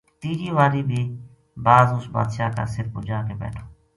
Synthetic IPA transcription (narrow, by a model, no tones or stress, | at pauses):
t̪iːd͡ʒiːʋaːɾiːbʱiː | baːzʊsba̰ːd̪ʃaːka̰ːsɪɾfʊ̰d͡ʒaːkeːbɛ̰ːʈʰoː